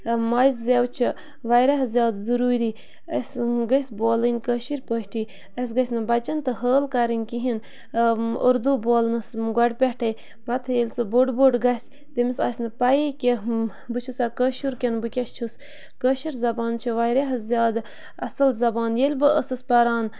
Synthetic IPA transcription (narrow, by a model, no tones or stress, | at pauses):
mɐjzzewt͡ʃʰi | ʋajɾeɦzʲjaːd̪zuɾuːɾiː | əsɡɐsʲboːlɨnʲkəʃiɾʲpəʃʲʈʰiː | ɐs̬ɡɐsʲnɨbɐt͡ʃɐnt̪ɨɦəːlkɐɾɨnʲkiɦin | ṵɾd̪uboːlnɨsɡɐɖʲpʲɛʈʰɐj | bɐt̪ʰɐjelʲsɨboɖboːɖɡɐsʲ | t̪emisa̰ːsʲnɨpɐjikʲe | bɨt͡ʃʰusakəʃuɾkʲenbɨkʲɐst͡ʃʰus | kəʃiɾzɐbaːnt͡ʃʰiʋajɾeɦɐzʲjaːd̪ | ɐsɐlzɐbaːnjelʲbɨʔəsɨspɐɾaːn